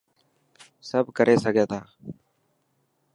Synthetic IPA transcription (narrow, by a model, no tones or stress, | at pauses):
səbkəɾʔeːsəɡeːt̪aː